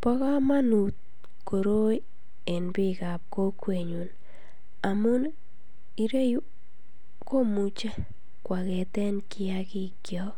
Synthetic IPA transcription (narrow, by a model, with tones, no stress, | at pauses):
pɔ˦ka˦ma˦nu˨t̪̚ | ko˨ɾo˦i˦ | e˨nbɪ˦ka˨p̚ko˦kwe˨ɲu˨n | a˨mʊ˦n | i˨ɾe˦ju˦ | ko˦mu˨t͡ʃe˦ | kwa˨kɛ˨t̪ɛ˦nkɪ˦a˦kɪ˦kjɔ˦